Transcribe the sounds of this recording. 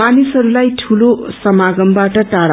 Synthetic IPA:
anisʌɾulajʈʰulosʌmaɡʌmbaʈʌʈaɽ

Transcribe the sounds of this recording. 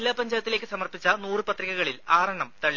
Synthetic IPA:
lːaːpɐɲd͡ʑaːjɐt̪ːilekːɨsɐmɐrpit͡ɕːɐnuːrɨpɐt̪riɣɐɣɐɭilaːɾɐɳɐmt̪ɐɭːi

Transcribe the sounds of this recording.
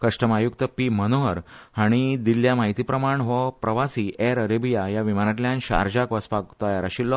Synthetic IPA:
kəʂʈəmajukt̪əpimənoɦəɾhaɽ̃id̪ilːjamaɦit̪iːpɾəmaɳʋəpɾəʋasiːʔɛɾəɾebijajaʋimaɾat̪ljãnɕa̰ɾd͡ʑakʋəspakt̪ajaɾaɕilːɔ

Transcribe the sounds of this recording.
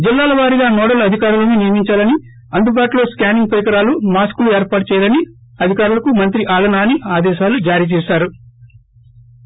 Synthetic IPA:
d͡ʒilːaːlɐʋaːɾiɡaːnɔːɽɐlɐd̪ʱikaːɾuloːninijɐmiɲt͡ʃaːlɐni | ɐnɖ̪ubaːʈlo̞ːskaːniŋɡ̚pɐɾikɐɾaːlumaːskulueːɾpaːʈɐt͡ʃɛːjd̪ɐni | ɐd̪ʱikaːɾulɐkumɐnt̪ɾiʔaːlɐnaːniaːd̪ɛːʃaːlud͡ʒaːɾiːt͡ʃɛːʃaːɾu

